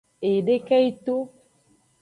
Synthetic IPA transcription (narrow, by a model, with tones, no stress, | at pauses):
e˨ɖe˦kɛ˦i˦to˦